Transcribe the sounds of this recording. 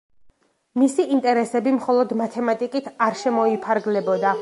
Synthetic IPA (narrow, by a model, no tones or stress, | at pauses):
misiʔːnt̪ʼɛɾɛsɛbimχɔlˠɔd̪mat̪ʰɛmat̪ʼikʼit̪ʰaɾʃɛmɔipʰaɾɡlɛbɔd̪a